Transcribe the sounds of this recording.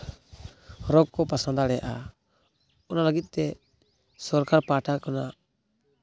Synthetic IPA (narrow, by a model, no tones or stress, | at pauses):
ɾɔɡ̚kɔpasand̪aɽɛaʔa | ɔnalaɡit̪̚ˀt̪ɛ | sɔɾkaɾpaʈʰakɔna